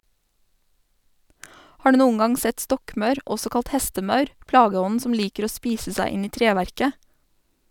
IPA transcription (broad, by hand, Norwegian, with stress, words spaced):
ˈhɑː ˈɖʉː ˈnuːən ˈɡɑŋ ˈsɛt ˈstɔkˌmœʉɾ ˈɔsɔ ˈkɑlt ˈhɛstəˌmɑʉɾ ˈplɑːɡəˌɔnn̩ ˈsɔm ˈliːkəɾ ˈoː ˈspiːsə ˈsæɪ ˈɪn ˈiː ˈtɾeːʋæɾkə